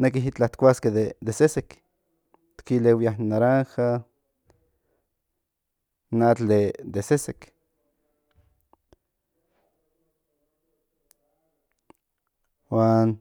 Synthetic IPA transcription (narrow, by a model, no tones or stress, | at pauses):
nekiɦit͡ɬaht̪kʷasked̪ed̪esesek | t̪kilewjahnaɾaŋxa | nat͡ɬ̪ed̪esesek | waːn